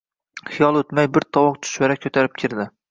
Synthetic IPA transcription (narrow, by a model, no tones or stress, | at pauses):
χɪjɑlˠɵt̪mæjbɪɾt̪ʰɒwɒq̚t̪ʰʊ̥ʃmaɾakʲʰɵt̪ʰaɾɪp̚kʲʰɪɾd̪ɪ